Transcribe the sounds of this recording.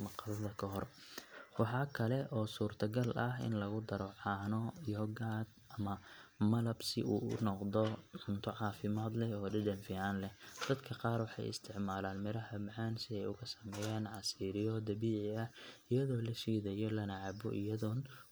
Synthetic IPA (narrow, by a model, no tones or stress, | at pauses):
mɑqɑlɐðɐkʰɐɦɔrwɑħɑːkʰɐlɛʔɔːsuːrt̪ʰɐɡɐlʔɐɦɪ̰nlɐɣʊd̪ɐɾɔʕɑːnɔjɔɡaːd̪ɐmɐmɐlɐbsɪʔuːʊ̰nɔqd̪ɔʕʊnt̪ʰɔʕɑːfɪmaːd̪lɛɔːɖɪd̪ɐnfiʕaːnlɛd̪̥ɐd̪kʰɐqɑːrwɑħɑ̰jɪ̰st̪ʰɪʕmaːlaːnmɪɾɐɦɐmɐʕaːnsɪɛjʊɣɐsɐmɛːjaːnʕɑsiːɾɪjɔd̪ɐβiːʕɪɐhɪjɐðɔːlɐʃiːðɐjɔlɐnɐʕaːbɔ̰ʔɪjɐðɔn